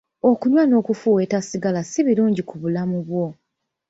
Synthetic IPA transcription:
okuɲwano̞ːkufuwe̞ːtasiɡalasiβiluːɲɟikuβulamuβwo̞

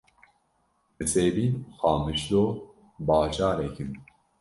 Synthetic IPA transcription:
mɨseːbiːxɑːmɨʃd̪oː | bɑːt͡ʃʰɑːɾɛkʰɨn

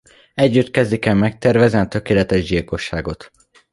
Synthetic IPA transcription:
ɛɟːyt̪kɛzd̪ikɛlmɛk̚t̪ɛrvɛzɛnt̪ø̞keːlɛt̪ɛʒɟilko̞ʃːaːɡo̞t̪

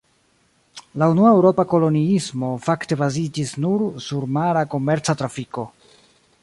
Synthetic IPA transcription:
launuaewɾo̞pako̞lo̞niismo̞fakte̞bazid͡ʒisnuɾsuɾmaɾako̞me̞ɾt͡satɾafiko̞

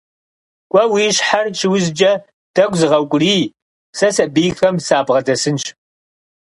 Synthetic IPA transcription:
kʷʼɔwiːɕħart͡ʃʰɪwʊzd͡ʒɐ | d̥ɐɡʷzɨʁɐwkʷʼʊriː | sɐsɐbiːxɐmsaːbʁɐdɐsɨnʃ

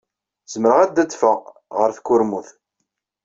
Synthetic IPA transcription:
z̥əməɾəʁæd̪æt͡s̪ːfə | ʁəɾθkːʊɾmuθ

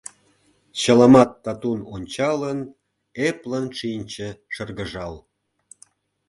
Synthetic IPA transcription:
t͡ɕəlɑmɑt̪ːɑt̪unonʲt͡ɕɑlən | eplənʃinʲt͡ɕə̆ʃərɣəʒɑl

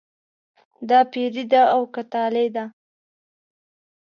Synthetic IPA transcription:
d̪ɑpeɾid̪aːwkat̪ɑled̪a

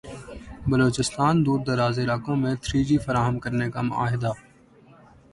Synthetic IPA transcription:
bəloːt͡ʃɪst̪aːnd̪uːɾd̪əɾaːzeːlaːkõːmẽːt̪ʰɾiːd͡ʒiːfəɾaːɦəmkəɾneːkaːmʊ̰ʔa̰ːɦɪd̪aː

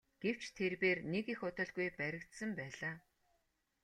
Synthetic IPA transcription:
ɡ̥ew̥t͡ɕt̪ʰerpeːrnekixʊt̪ə̆ɮɣujpæɾʲɪ̆kt̪sə̆mpæːɮaː

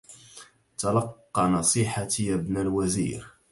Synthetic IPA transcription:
t̪ɑlɑqːɑnɑsˤiħat̪ijæbnælwæzḭɾ

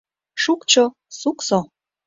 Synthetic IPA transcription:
ʃukt͡ɕo | sukso

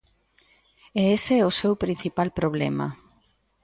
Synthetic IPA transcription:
eeseɛʊsewpɾin̟θipalpɾoβ̞lɛmɐ̰

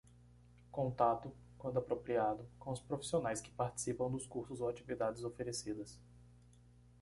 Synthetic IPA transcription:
kõnt̪at̪ʊ | kwɐ̃nd̪ʊapɾopɾiad̪ʊkõʊspɾofi̥sionajskɪ̥paɾt͡ʃi̥sipɐ̃w̃d̪ʊskuɾsʊzowat͡ʃivid̪ad͡ʒɪzofeɾesid̪ɐs

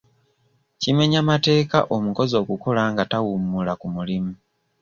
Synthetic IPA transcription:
cime̞ɲamate̞ːka̰ʔo̞muko̞zo̞ːkuko̞laːŋɡatawumulakumulimu

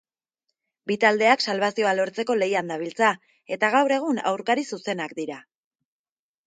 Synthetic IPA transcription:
bit̪ald̪e̞aksalβasio̞alo̞ɾt͡se̞ko̞le̞jand̪aβ̞ilt͡sa | e̞t̪aɣ̞awɾe̞ɣ̞una̰wɾkaɾisuse̞nakd̪iɾa

